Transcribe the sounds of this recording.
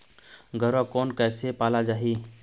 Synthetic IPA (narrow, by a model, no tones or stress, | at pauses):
ɡʱəɾakɔːnkɛːsepaːlad͡ʒaːɦi